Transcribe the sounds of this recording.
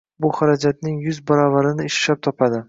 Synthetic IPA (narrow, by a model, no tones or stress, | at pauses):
bʊχaɾad͡ʒat̪nɪŋjʊzbɒɾɒvaɾɪnɪːʃlap̚t̪ʰɒpʰad̪ɪ